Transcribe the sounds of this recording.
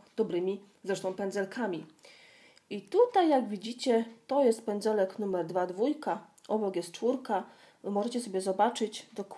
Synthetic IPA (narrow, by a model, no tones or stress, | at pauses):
d̪̥ɔbɾɘmʲi | zɾɛʂt̪ɔ̃w̃pɛnd̪zɛlkʰamʲi | it̪ut̪ajːaɡvʲid͡ʑit͡ɕɛt̪ɔjɛst̪̚pɛnd̪zɛlɛknumɛɾd̪vad̪vujka | ʔɔbɔkjɛst̪̚t͡ʂfuɾka | mɔʐɛt͡ɕɛsɔbʲjɛzɔbat͡ʂɘd͡ʑd̪ɔk